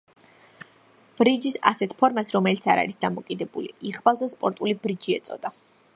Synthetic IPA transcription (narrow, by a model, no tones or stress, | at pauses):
b̥ɾid͡ʒisa̰sɛt̪ʰpʰɔɾmasɾɔmɛlit̪sʰaɾa̰ɾisd̪amɔkʼid̪ɛbṵlḭiʁbalˠzɛspʼɔɾt̪ʼulibɾid͡ʒiɛ̰t̪sʼɔ̰d̪a